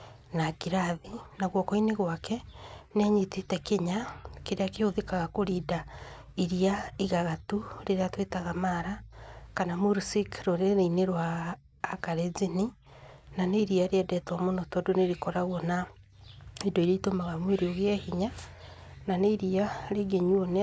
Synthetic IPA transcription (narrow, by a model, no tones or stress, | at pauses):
nakiɾaðinaɣwɔkɔineɣwakʰɛneaɲitetɛkeɲakeɾeakeoðekaɣakoɾida | iɾiaiɣaɣatuɾeɾeatwetaɣamaɾakanamuɾsikɾoɾenaineɾwaː | kaɾezini | naneiɾiaɾeɛdɛtwamonɔtɔdoneɾikɔɾaɣwɔna | edoiɾeitomaɣamweɾoɣeɛhiɲa | naneiɾiaɾeɡeɲwonɛ